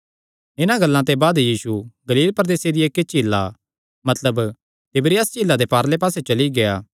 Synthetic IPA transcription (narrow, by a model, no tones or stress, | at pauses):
ɪnãɡɐlːãt̪ebaːd̪jiːsuɡɐliːlpɾəd̪eːsed̪ieːkːet͡ʃiːlːa̰ | mɐt̪ləb | t̪ɪbɾiɐst͡ʃiːlːad̪epaːɾlep̬aːset͡ʃɐliɡeaː